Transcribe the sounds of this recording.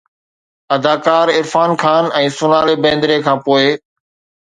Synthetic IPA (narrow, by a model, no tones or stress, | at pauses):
ɐd̪aːkaːɾɪɾfaːnkʰaːnɛ̃ːsʊnaːlebẽːnd̪ɾekʰãːpoːe